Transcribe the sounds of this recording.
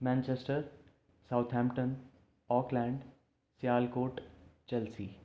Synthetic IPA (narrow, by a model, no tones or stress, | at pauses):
mɛ̃ːnt͡ʃesʈəɾ | saʊt̪ʰɦɛ̃ːmʈən | ɔːklɛ̃ːɳɖ | sijaːlkoːʈt͡ɕɛlsiː